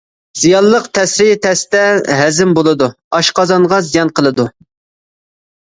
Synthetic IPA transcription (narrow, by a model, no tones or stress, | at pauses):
z̥ijɑlˠːəqt̪ʰɛsɾit̪ʰɛst̪ɛɦɛzɪmbolˠɨd̪u | ɑʃqɑzɑnʁɑzijɑnqəlˠɨd̪u